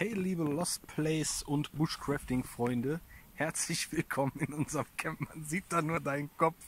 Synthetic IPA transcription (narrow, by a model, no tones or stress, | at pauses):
hɛɪliːbəlɔstpʰlɛɪsʊntb̥ʊʃkʁ̥aftɪŋfʁ̥ɔʏndəhɛɐt͡slɪçv̥ɪlkʰɔmənɪnʔʊnzəʁəmkʰɛmpmanziːt̚d̥aːnuːɐdaɪnənkʰɔp͡ff